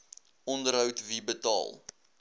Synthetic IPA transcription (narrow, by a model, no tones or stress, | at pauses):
ɔndərɦəwtvibətɑ̰ːlˠ